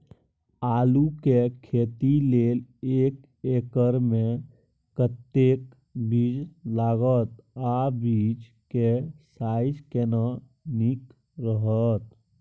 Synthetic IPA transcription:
aːlukekʰeːt̪ileːleːk | eːkəɾmẽ | kət̪ːeːk | bid͡ʒlaːɡət̪abiːd͡ʒ | kesaːɪd͡ʒkena | nik | ɾəɦət̪

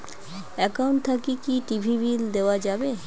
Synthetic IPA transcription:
ɛkauɳʈ̚t̪ʰakikiʈibʱibild̪eoad͡ʑabe

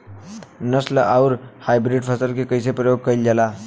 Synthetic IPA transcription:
nəslʔaʊɾhajbɾiɖpʰəsəlkekəɪsepɾəjoɡ̚kəjld͡ʒela

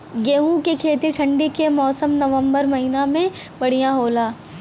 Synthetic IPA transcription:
ɡeːɦũkekʰeːt̪iɾʈʰɐ̃ɳɖikemɔːsəmnɐʋə̃mbəɾmɐɦɪnamẽ | bɐɽ̤ijãɦoːlaː

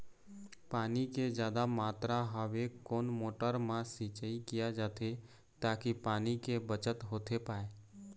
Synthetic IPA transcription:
paːniked͡ʒjaːd̪amaːt̪ɾaɦəʋekoːnmoːʈəɾmãsiːt͡ʃəikɪjad͡ʒaːt̪ʰe | t̪aːkipaːnikebət͡ʃət̪ɦoːt̪ʰepaːe

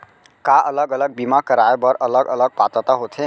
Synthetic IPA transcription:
kaʔələɡələɡ̚bimakəɾaebəɾələɡələɡ̚pat̪ət̪aɦot̪ʰe

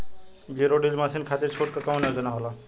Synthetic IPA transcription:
ɡeɾoɖilmasʰinkʰat̪iɾt͡ʃʰoʈ̚kakamneod͡ʒənaɦola

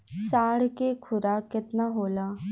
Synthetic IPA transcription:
saːɽ̤kekʰʊɾaːkɪt̪naːɦoːlaː

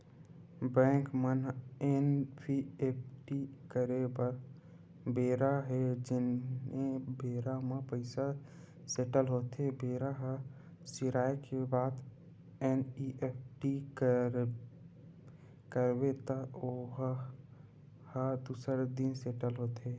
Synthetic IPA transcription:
bɛ̃ːŋkmənenpʰiep̚ʰʈikəɾebə | beːɾaɦed͡ʒɪnebeːɾamə̃pəɪsa | seʈəlɦoːt̪ebeːɾaɦə | siɾaːekebaːd̪ | eniʔep̚ʰʈik | kəɾbet̪əoɦ | həd̪uːsəɾd̪inseːʈəlɦoːt̪e

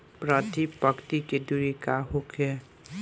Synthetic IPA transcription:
pɾat̪ipəkt̪iked̪uɾikaɦokɛ

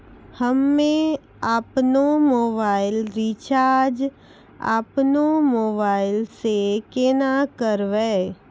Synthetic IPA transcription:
həmːẽ | aːpnomoːbaːɪlɾit͡ʃaːɾd͡ʒ | a̰ːpnomoːbaːɪlsekenakəɾʋeː

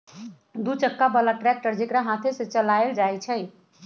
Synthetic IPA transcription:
d̪ut͡ʃəkːabəlaʈɾɛk̚ʈəɾd͡ʒekɾaɦat̪ʰeset͡ʃəlaeld͡ʒajt͡ʃʰəj

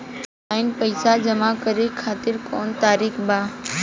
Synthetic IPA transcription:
aːɦɪnpəɪsad͡ʒəmakəɾekʰaːt̪ɪɾkoːnt̪aːɾiːxbãː

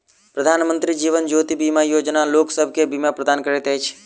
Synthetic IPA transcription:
pɾəd̪ʱanmə̃nt̪ɾid͡ʒiʋənd͡ʒot̪ibimajod͡ʒnaloksəbʱkebimapɾəd̪ankəɾɛt̪əjt͡ʃʰ

